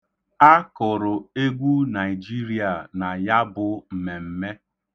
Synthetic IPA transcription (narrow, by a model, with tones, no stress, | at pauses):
a˦kʊ˨ɾʊ˨e˦ɡʷu˦na˨ɪ˨d͡ʒi˦ɾi˨a˨na˨ja˦bʊ˨m̩˨me˨m̩˨me˦